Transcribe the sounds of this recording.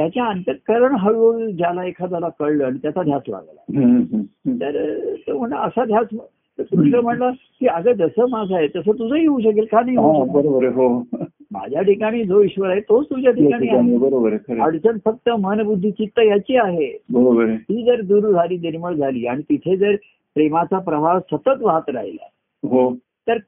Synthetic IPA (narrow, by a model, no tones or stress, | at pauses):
t̪jat͡ɕjaənt̪əkəɾəɳɦəjod͡ʑalaekʰad͡zalakəɽləaɽ̃it̪jat͡sad̪ʱjat͡sla̰ɡla̰ɦɦt̪əɾt̪əm̤əɳləəsad̪ʱjat͡sm | kɾuʂnəm̤əɳla | kiːəɡəd͡zəsəːmad͡zʱaɦet̪əsət̪ud͡zʱəiuːɕ̬ək̬ilkajnaɦiɦuəbəɾobəɾeɦo | ma̰d͡ʑʱjaʈʰikaɽ̃iːd͡zoiɕʋəɾaɦet̪ot͡st̪ud͡ʑjaʈʰikaɽiːaabəɾobəɾekʰəɾeəɽt͡sənfək̚t̪əmənəbud̪ʱːit͡ɕit̪ːəjat͡ɕiːaɦebəɾobəɾet̪iːd͡zəɾd̪uɾd͡zʱaliːniɾməɭd͡zʱaliːaɽ̃it̪it̪ʰed͡zəɾ | pɾemat͡sapɾəʋasət̪ət̪ʋaɦət̪ɾa̰ɦila̰ | ɦo | t̪əɾ